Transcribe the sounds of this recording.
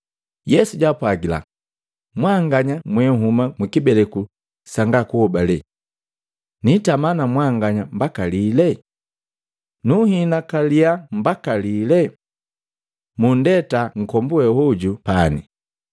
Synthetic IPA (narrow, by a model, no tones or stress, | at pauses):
jɛsuɟapwaɡila̰ | mwaŋɡaɲamwɛŋ̩ɦumamwikibɛlɛku | saŋɡakuhɔbalɛ | nitamanamwaŋɡaɲambakalilɛ | nuhinakaliambakalilɛ | mundɛtaŋ̩kɔmbuɛhɔɟupanḭ